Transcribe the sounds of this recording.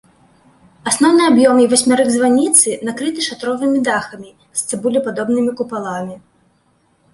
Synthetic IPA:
asnɔwnɨabjɔmivasʲmʲaɾɨɡzvanʲit̪sɨnakɾɨt̪ɨʂat̪ɾɔvɨmʲid̪axɐmʲi | sʲt̪sɛbulʲipad̪ɔbnɨmʲikupalˠamʲi

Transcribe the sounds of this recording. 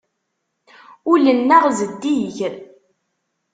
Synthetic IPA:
ʊlənːaʁzəd̪ːiʝ

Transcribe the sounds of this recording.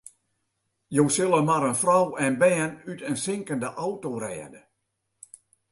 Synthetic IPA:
jowsɪlˠəmaɾənfrɔwɛnbɛːnytənsɪŋkəndəʔawtorɛːdə

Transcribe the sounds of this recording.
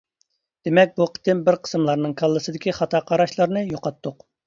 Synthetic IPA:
d̪̥emɛk̚ʲbuqʰə̥t̪ɪmbɪɾqʰə̥smlˠɑɾnɨŋkʰɑlˠːɨsɨd̪ɪkʲiχɑt̪ʰɑːqʰɑɾɑʃlˠɑɾnɨjoqɑt̪ʰːʊq

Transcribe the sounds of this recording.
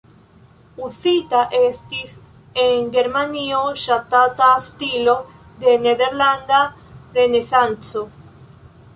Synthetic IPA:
uθit̪aʔest̪is | eŋɡeɾmanioʃat̪at̪ast̪ilo | ðeneðeɾland̪a | ɾenesant͡so

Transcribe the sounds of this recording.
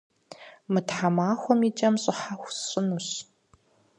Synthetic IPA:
mɨtħamaːxʷɔmit͡ʃʼɐmɕʼɪħaxʷɕʼɪnuɕ

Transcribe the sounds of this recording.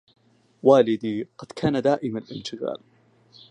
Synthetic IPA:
waːlɪd̪iːqɑd̪̥kʰaːnad̪aːʔɪmanɪlʔɪnt̪ɪɣa̰ːl

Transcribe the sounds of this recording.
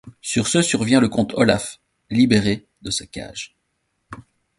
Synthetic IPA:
syʁsəsyʁvjɛ̃ləkɔ̃t̪ʰɔlaf | libeʁe | d̪əsakʲa̰ːʒ

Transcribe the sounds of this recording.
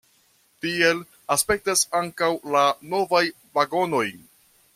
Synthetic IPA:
tie̞l | aspe̞k̚tasaŋkawlano̞vaj | vaɡo̞no̞j

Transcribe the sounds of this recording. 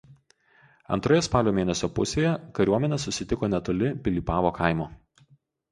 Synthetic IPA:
ɐ̰nt̪ɾoːjɛspɑːlʲoːmʲeːnʲɛsʲoːpʊsʲeːjɛkɐɾʲuɔmʲɛnʲɛsʊsʲɪt̪ʲɪkoːnʲɛt̪oːlʲɪpʲɪlʲiːpɑːʋoːkʰɐˑɪmoː

